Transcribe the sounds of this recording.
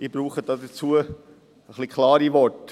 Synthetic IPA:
ibɾuːχəd̥ɑːdət͡suə | əχlikʰlɑːɾiʋɔɹt

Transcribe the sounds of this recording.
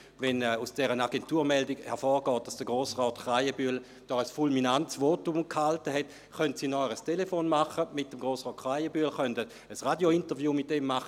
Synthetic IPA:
vɛnɛusd̥ɛʁənaɡentuːɐmɛldiɡhɛɐfɔːʁɡɔːt̚d̥asd̥əɡ̥ʁoːsʁɔːtχʁaɪəbyl | d̥ɔːəsfulminantsvoːtumkhaltəɦɛt | χœntsiːnɔʁəstʰelefoːnmaχəmɪtdəmɡʁoːsʁɔːtχʁaɪəbyːlχœntə | əsʁadjointəʁvjuːmɪt̚demːaχə

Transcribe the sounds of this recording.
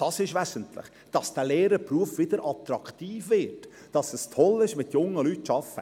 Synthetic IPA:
d̥ɑsɪʃʋæsəntlɪ̰χ | d̥ɑsd̥æleːɾəpruəfʋɪd̥̪əɾʔɑt̪ɾɑktiːfvɪːt | d̥ɑsɛstʰɔlɪʃmɪtjʊŋːəlytʃɑfə

